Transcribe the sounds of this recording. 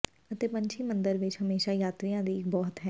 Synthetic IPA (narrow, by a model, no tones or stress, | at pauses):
ət̪eːpəɲt͡ʃʰiːmə̃nd̪əɾʋɪt͡ʃɦəmeːʃajaːt̪ɾijãd̪iɪk̚bɔːt̪ɦɛː